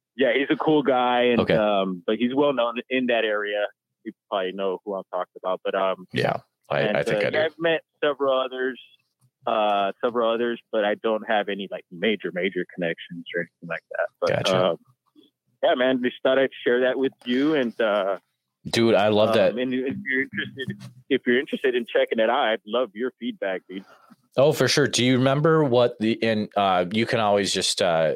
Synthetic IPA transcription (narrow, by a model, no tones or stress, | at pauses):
jæhizɨkʰulˠɡaɪɨ̃noʊkʰeʌ̃mb̥ʌt̚hizwɛlˠnõʊ̃nɪ̃nðɨɾɛɹiɨ | pʰipl̩ˠpʰɹ̥ɑdˡlinoʊhuãɪ̃mtʰɔkɪ̃ŋəbaʊt̚b̥ʌɾʌ̃mjæ̰ | a̰ɪ̰̃ɪɪ̃kaaɪvmɛtsɛvɹl̩ˠʌðə˞z̥ | ʌsɛvɹl̩ˠʌðə˞zb̥ʌɾaɪdõʊ̃nt̚ɦɨvɛnilaɪk̚meɪd͡ʒə˞meɪd͡ʒə˞kʰənɛkʃɨ̃n̩zə˞ɛniθɪ̃ŋlaɪk̚ðæ̰t̚b̥ʌtæ̰ʌ̃m | jæmæ̃nðɨstɑɾaɪtʃɛɹðɨʔ̚wɨðjʉɨ̃nʌ | d̥ʉaɪlʌvðæt̚ɨ̃nfjə˞ɪ̃nt͡ʃɹ̥ɨstɨɾɨfjə˞ɪ̃nt͡ʃɹ̥ɨstɨɾɨ̃nt͡ʃʰɛkɪ̃ŋɨɾaʊɾaɪlʌvjə˞fid̚bæk̚i | oʊfə˞ʃʊɹdɨjɨɹɨmɛ̃mbə˞wʌt̪̚ðiʔɨ̃nʌjɨkʰɨ̃ñɔlˠwizd͡ʒʌstʌ